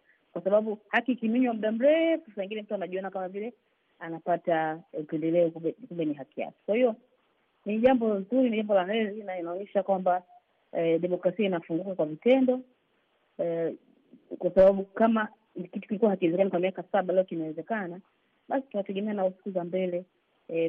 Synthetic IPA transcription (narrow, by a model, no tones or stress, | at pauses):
kwasaɓaɓuhakikimiɲwamuɗam̩ɾɛfusawiŋɡinɛm̩tuanaʄiɔnakamavilɛ | anapataupɛndɛlɛɔkuɛkumbɛniɦakia̰kɛ̥kwahiɔ | niʄambɔzuɾiniʄambɔlaɾɛɾinainaɔɲɛʃakwamba | ɗɛmɔkɾasiainafuŋɡukakwavitɛndɔ | kwasaɓaɓukama | kitu̥kilikuwahakiwɛzɛkanakwamiakasaɓalɛɔkinawɛzɛkana | ɓasi̥tunatɛɠɛmɛanausi̥kuzambɛlɛ